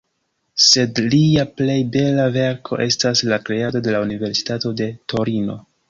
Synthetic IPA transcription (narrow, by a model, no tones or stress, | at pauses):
se̞dliaple̞jbe̞lave̞ɾkʰo̞̰ʔe̞staslakɾe̞ado̞de̞launive̞ɾsi̥tato̞de̞tʰo̞ɾino̞̰